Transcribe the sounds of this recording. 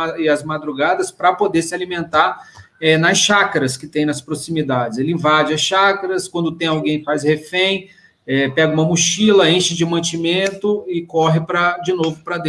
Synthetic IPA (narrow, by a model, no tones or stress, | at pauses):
ɪɐzmad̪ɾuɡad̪ɐspɾɐpod̪eɾsɪalimẽnt̪aɾ | ɛnɐsʃakɐɾɐskɪt̪ẽj̃nɐspɾosimid̪ad͡ʒɪzelɪĩvad͡ʒɪɐsʃakɐɾɐskwɐ̃nd̪ʊt̪ẽj̃awɡẽj̃ɪfajzhefẽj̃ | ɛpɛɡɐũmɐmuʃilɐẽʃɪd͡ʒɪmɐ̃t͡ʃimẽnt̪ʊɪkɔɦɪpɾɐd͡ʒɪnovʊpɾɐd̪ẽ